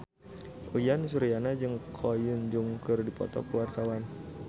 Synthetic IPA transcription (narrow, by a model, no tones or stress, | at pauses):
ʔujansuɾianad͡ʒɨŋkʰɔjʊnd͡ʒuŋkɨrdipɔ̰t̪ɔ̰kuwart̪awan